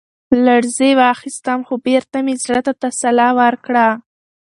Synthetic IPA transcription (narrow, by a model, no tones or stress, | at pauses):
laɽzewɑxist̪amxobeɾt̪amezɽət̪at̪asalɑwəɾkɽa